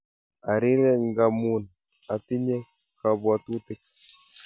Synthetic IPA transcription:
a˨ɾɪ˦ɾɛ˦ŋɡa˨mu˨n | a˨t̪ɪ˦ɲɛ˦ | ka˨bwa˨tu˦tɪ˦k̚

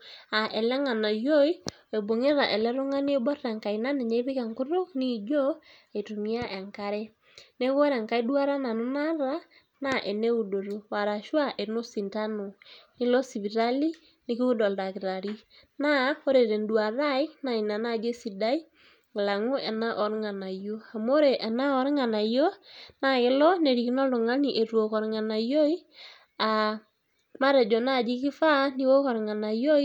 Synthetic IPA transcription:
a˨ʔɛ˨lɛ˦ŋa˨na˨jo˦i˦ | e˨bo˨ŋe˦ɾa˨ʔe˨lɛ˦ɾo˦ŋa˦n˦e˦bɔ˦ɾa˨ŋka˨i˨na˦ne˨ɲe˦βi˦ka˨ŋku˦ɾo˦ni˦d͡ʒɔ˦ | e˨tu˨mi˦a˦ʔe˨ŋka˦ɾɛ˦ | ne˦ɣɔ˦ɾa˨ŋka˨i˦dwa˦ɾa˦na˨nu˦na˦ɾa˦ | na˦ʔe˨ne˦u˨do˨ɾo˨wa˨ɾa˨ʃwa˦ʔe˨no˦si˨nta˦no˨ni˦lɔ˦si˨βi˨ɾa˦li˦ | ni˦ki˦u˦dɔ˨lɾa˨ki˨ɾa˨ɾi˦ | na˦o˦ɾe˨ɾe˨ndu˨a˨ɾa˦i˦na˨i˨na˨na˦˨d͡ʒe˦si˨da˦i˦ | ŋ˨la˨ŋu˦ɛ˨na˦ʔɔ˨˦ɾŋa˨na˨jo˦a˨mo˦ɾe˨ʔɛ˨na˦ɔ˦ɾŋa˨na˨jo˦na˦kɪ˦lɔ˦ne˨ɾi˨ki˦nɔ˦lu˨ŋa˦ni˨ʔe˨ɾwo˨kɔ˨ɾŋa˨na˨jo˦i˦ | a˨ | ma˦ɾe˨d͡ʒɔ˨na˦˨d͡ʒi˦kɪ˦fa˦ni˦wo˦kɔ˨ɾŋa˨na˨jo˦

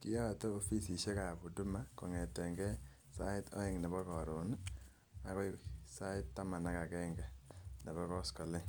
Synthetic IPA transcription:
ki˦ja˦a˨tɔː˦fi˦si˨ʃe˦ka˨pu˨tu˦ma˦kɔ˨ŋɛ˨tɛ˨ŋɡɛ˦ | sa˦ɪ˦tʰɔ̰˦i˦ŋnɛ˨bɔ˦kɔ˨ɾo˨n | a˨kɔ˦sa˦ɪ˦tːa˦ma˨na˦ka˨kɛ˦ŋɡɛ˨nɛ˨βɔ˦kɔ˦skɔ˨le˦

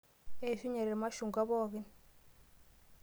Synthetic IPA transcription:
e˦i˨fi˦ɲɛ˨ɾɛ˨ɛ˨ma˦ʃu˨ŋɡa˦βɔː˦kɛ˦n

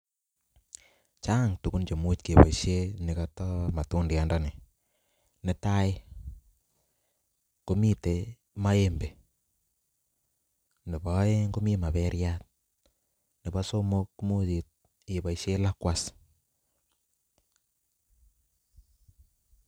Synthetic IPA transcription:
t͡ʃa˦ŋtu˨ku˦nt͡ʃo˨mu˦tke˨bɔ̰˨ʃje˦nɪ˨ka˨tɔ˦ma˨tu˦ndi˨a˦ndɔ˦nɪ˨ | nɪ˨ta˦ɪ˦ | ko˦mi˦te˨ | ma˦e˦mbe˨ | nɪ˨bɔ˦e˦ŋɡo˦mi˦ma˨bɛ˦ɾja˦t̚ | nɪ˨ba˦so˦mo˦kmo˦ti˨t̚ | i˨ba˨iʃje˦la˦kwa˦s

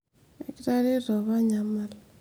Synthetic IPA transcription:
ɛ̰˨ki˦ɾa˦ɾi˦ɾɔ˨βa˦ɲa˨ma˦l

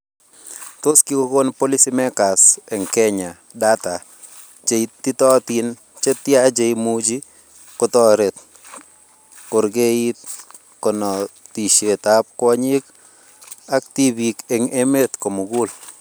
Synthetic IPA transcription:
t̪o˦ski˦ko˦ko˦npo˦li˦si˦mɛ˦ka˨se˨ŋkɛ˦ɲa˨ | da˦ta˨ | d͡ʒe˨i˨tːi˦tɔ˦t̪i˦n | t͡ʃe˦t̪ja˦d͡ʒe˨imud͡ʒi˦ | ko˦tɔ˦ɾe˨t̪̚ | kʊ˨ɾɡe˦i˦t̪̚ | kɔ˨nɔ˨ti˨ʃe˨t̪a˦p̚kwɔ˦ɲi˦k | a˦kt̪i˦bi˨ke˨ŋe˦me˦t̪ko˨mu˨ɡu˦l

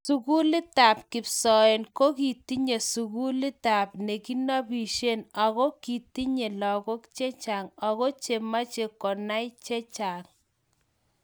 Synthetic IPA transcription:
su˨ku˦lɪ˦ta˨p̚kɪ˨psɔ˨e˨nko˦ki˨ti˦ɲe˨su˨ku˦lɪ˦ta˨pne˨ki˦na˦bi˨ʃe˦na˨ɣo˦ki˨ti˦ɲe˨lɔ˨ko˦kt͡ʃe˦t͡ʃa˨ŋa˨ɣo˦t͡ʃe˨ma˦t͡ʃe˨kɔ˨na˦jt͡ʃe˦t͡ʃa˨ŋ

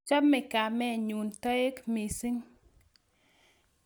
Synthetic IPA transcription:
t͡ʃa˦bmːɛ˨ka˨mɛ˦˨ɲu˨nta˦e˦kmi˨si˦ŋ

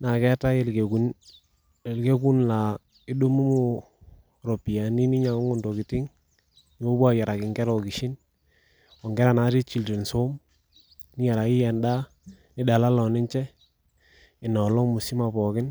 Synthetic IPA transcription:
na˨kɛ˦ta˦e˨lku˨n˨ | lke˦ku˦nla˨ | ɪ˦ɗu˦mu˦mu˨ | ɾo˨pi˨ja˨ni˦ni˦ɲa˨˦ŋʊ˦ndo˨kɪ˨ti˦ŋ | ɲo˦ba˦ja˨ɾa˨kɪ˨ŋɡɛ˦ɾɔ˨ki˨ʃɪ˦n | ɔ˨ŋɡɛ˦ɾa˨na˨˦ti˦t͡ʃi˨lti˨nso˦m | nɪ˦ja˨ɾa˨ɪ˦jɛ˨nda˦ | nɪ˦da˨la˦lɔ˨nɪ˦nt͡ʃɛ˦ | ɪ˨nɔ˨lɔ˦ŋmʊ˨si˦ma˨pɔ˨kɪ˦n

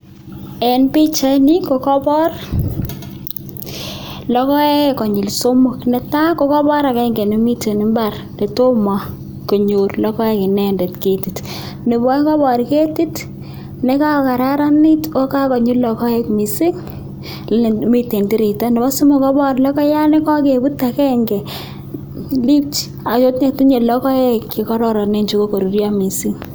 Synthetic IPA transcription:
ɛ˨npi˦t͡ʃa˦ni˦ko˨kɔ˦bɔ˦r | lɔ˦kɔ˦ɛ˦kɔ˨ɲʊ˨lso˦mʊ˨knɛ˨ta˦kɔ˦kɔ˦bɔ˦ɾa˨kɛ˦ŋɡe˨ne˨mi˦te˨nɪ˦mba˦r | ne˨to˦mɔ˨ | ko˨ɲo˨rlɔ˦kɔ˦ɛ˦kɪ˨nɛ˦ndɛ˨tke˨ti˨t | ne˨bɔ˦ɛ˦kɔ˦bɔ˨ɾke˦ti˦t | ne˦ka˦˨ka˨ɾa˦ɾa˦ni˦to˦ka˦kɔ˨ɲu˦lɔ˨kɔ˦e˦kmi˨si˦ŋ | lne˨mi˦tːe˨nti˦ɾi˨ta˦ne˨bɔ˦su˦mo˨kɔ˦bɔ˦ɾlɔ˦kɔ˦ja˦ne˦kɔ˦ke˨bu˦ta˨kɛ˦ŋɡɛ˨ | li˦t͡ʃ | a˨t͡ʃo˦tɲe˨k̚ti˦ɲe˨lɔ˦kɔ˦e˦kːɪ˨kɔ˦ɾɔ˨ɾɔ˨ne˦nt͡ʃu˦ko˦ko˨ɾu˨ɾja˦mi˨si˦ŋ

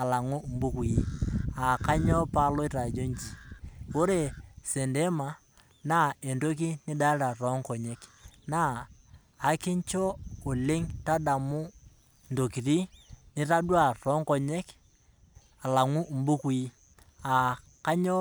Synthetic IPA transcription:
a˨la˨ŋu˦m̩˦bu˦ku˨i˦a˨ka˦ɲɔ˦pa˦lɔ˦i˦ra˨d͡ʒo˦ɲt͡ʃi˨ko˦ɾe˨se˨nde˦ma˨ | na˦e˨ndo˦k̬i˦nɪ˦ɗa˦ɾa˨rɔ˨˦ŋkɔ˨ɲe˦knaː˦˨ | ki˦ɲt͡ʃo˦o˨le˦ŋta˦ɗa˨mu˦ | ndo˨ki˨ɾi˦ni˦ra˦dwa˦˨rɔ˦ŋkɔ˨ɲe˦k | a˨la˨ŋu˦m̩˦bu˦ku˨i˦ | a˨ | ka˦ɲɔ˦

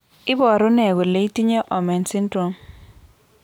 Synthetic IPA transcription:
ɪ˦bɔ˨ɾɔ˦nɛ˨ɡo˨le˨i˦ti˦ɲe˦ʔɔ˨mɛ˨nsɪ˦ndɾo˨m

